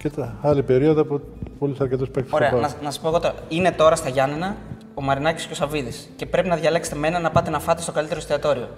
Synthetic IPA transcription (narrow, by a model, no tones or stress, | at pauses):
cet̪ɐlipe̞ɾioðopu | polisɐɾce̞t̪ospekt̪soe̞ɐnɐnɐsɐspoɣot̪oine̞t̪o̞ɾɐst̪ɐʝɐninɐ | omɐɾinɐci̥scesɐviðisce̞pɾe̞pinɐðʝɐle̞kset̪e̞me̞nɐnɐpɐt̪enɐfɐt̪est̪oɐlit̪eɾost̪eɐt̪o̞ɾio̞̰